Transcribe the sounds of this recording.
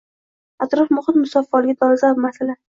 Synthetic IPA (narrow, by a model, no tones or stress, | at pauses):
at̪ɾɒfmʊχɪt̪mʊsɒfːɒlɪɡʲad̪ʰɒlzabmasala